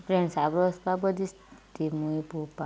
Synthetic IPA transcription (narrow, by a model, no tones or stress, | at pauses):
pɾensabɾɔspabɔd̪is | t̪imuipupa